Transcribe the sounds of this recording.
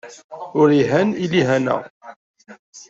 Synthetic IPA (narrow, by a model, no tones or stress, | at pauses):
ʊɾiɦæniliɦænə̰ʁ